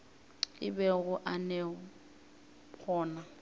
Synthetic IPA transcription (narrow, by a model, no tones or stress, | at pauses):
ɪbɛɣʊʔanɛ | pʰɔːna